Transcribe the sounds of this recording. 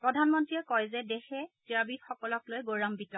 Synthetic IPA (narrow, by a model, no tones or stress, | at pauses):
pɹɔdʱanmɔntɹijɛkɔjzɛdɛxɛtiabixɔkɔlɔklojɡoɹambitɔ